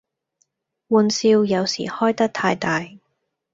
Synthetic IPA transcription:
wuː˨˧nsiː˧wjɐ˨˧wsḭː˨˩hɔː˥jt̪ɐ˥k̚t̪ʰaː˧jt̪aː˨j

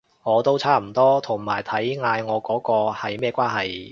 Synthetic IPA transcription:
ŋɔː˨˧t̪o˥wt͡sʰaː˥˩m̩˨˩t̪ɔː˥t̪ʰʊ˨˩ŋma̰ː˨˩jt̪ʰɐ˨˥jŋaː˧jŋɔː˨˧kɔː˨˥kɔː˧hɐ˨jmɛː˥˧kʷaː˥nɦɐ˨j

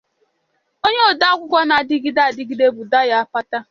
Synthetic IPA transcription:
o˦ɲe˦o˨da˦kʷʊ˦kʷɔ˦na˨dɪ˦ɡi˦da˦a˨dɪ˦ɡi˦de˦bʊ˨da˦ja˦a˦pa˦ta˦

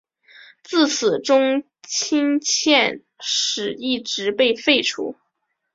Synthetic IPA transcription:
t͡sɹ̩˥˩t͡s̩ʰ˨˩ʈ͡ʂʊ˥ŋ | t͡ɕʰi˥ŋt͡ɕʰjɛ˥˧n | ʂɻ̩˨˩i˥˩ʈ͡ʂɻ̩˧˥pe˥˧ɪfe˥˩ɪʈ͡ʂʰṵ˧˥

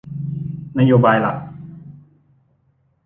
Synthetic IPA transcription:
na˦˥joː˧baː˧jla̰˨˩ʔ̚

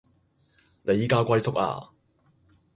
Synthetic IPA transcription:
nʔe˨˧jiː˧kaː˧˥kʷɐ˧jsʊ˥k̚a̰ː˧

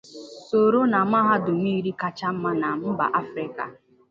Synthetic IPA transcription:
so˨ɾo˦na˨m̩˦a˦ɦa˦dʊ˨m˦i˦ɾi˦ka˦t͡ʃa˦m̩˦ma˦na˨m̩˦ba̰˨ʔa˦fɾɪ˦ka̰˨

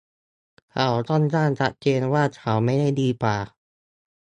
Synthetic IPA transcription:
kʰa˨˩wt̪ɔ˥˩nt͡ɕaː˥˩nt͡ɕʰa˦˥t̪̚t͡ɕeː˧nwaː˥˩t͡ɕʰa˨˩˦wma˥˩jda˥˩jdiː˧paː˨˩

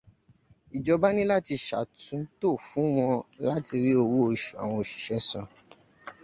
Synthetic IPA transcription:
i˨d͡ʒɔ˧ba˦nĩ˦la˦ti˧ʃa̰˨tũ˨˦to˦˨fũ˨˦w̃ɔ̃˧la˦ti˧ɾi˦o˧wo˦o˦˨ʃu˨a̰˨w̃ɔ̃˧o˨ʃi̥˨ʃɛ˦sɔ̰̃˧

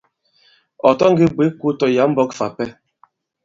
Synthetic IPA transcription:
ɔ˨tɔ˦ŋ̩˦ɡi˦be˨˦ku˦tɔ˨ja˨˦m̩˦bɔ˦kfa˨pɛ˦

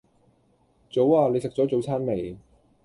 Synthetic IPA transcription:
t͡so˨˥waː˧le˨˧jsɪ˨k̚t͡sɔː˨˥t͡so˨˥wt͡sʰaː˥nme˨˧j

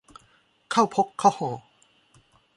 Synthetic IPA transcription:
kʰa˥˩wpʰo˦˥kʰːa˥˩whɔː˨˩˦

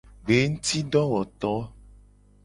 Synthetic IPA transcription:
ɡe˨˦ŋ̩˦t̪i˦ɖɔ˦wɔ˨t̪ɔ˦

